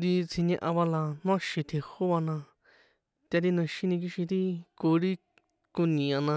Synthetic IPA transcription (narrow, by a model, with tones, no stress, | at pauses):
d̪i˧t͡sʰĩ˧ɲẽ˧ʔã˧βa˧la˧nũ˦ã˦˧ʃĩ˧t̪ʰe˨˧ho˦βa˧nã˧ | t̪ʲa˧ɾi˦nũ˧ʃĩ˦nĩ˧k̬i˧ʃĩ˧ɾi˦ko˧ɾi˦ | ku˧nĩ˨ã˧nã˧